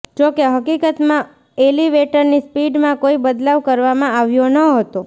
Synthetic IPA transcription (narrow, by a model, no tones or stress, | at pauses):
d͡ʒokeɦəkikət̪mã | eliʋeʈəɾnispiɖmãkoibəd̪laʋkəɾʋamãaʋjonəɦət̪o